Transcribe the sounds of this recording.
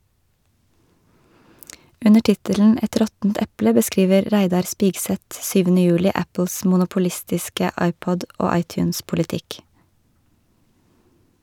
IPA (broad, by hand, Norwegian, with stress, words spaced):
ˈʉnə ˈʈɪtəln̩ ˈɛt ˈɾɔtn̩t ˈɛplə bəˈskiːʋəɾ ˈɾæɪdɑɾ ˈspiːɡsɛt ˈsyːʋənə ˈjʉːlɪ ˈæpl̩s mʊnʊpʊˈlɪstɪskə ˈɑɪˌpɔd ˈoː ˈɑɪˌtjʉːnspʊlɪˌtɪk